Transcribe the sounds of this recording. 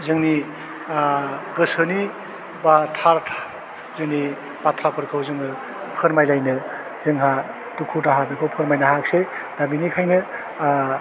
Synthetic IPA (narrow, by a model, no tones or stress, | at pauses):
zɯŋni | ɡɯsɯni | batʰaɾtʰḁ | zɯŋni | bat̪ʰɾapʰɯɾkʰɯwzɯŋɯ | pʰɯɾmajlajnɯ | zɯŋɦa | tukʰutaɦabekʰowpʰɯɾmajnaɦak̚sedabinikʰajnɯ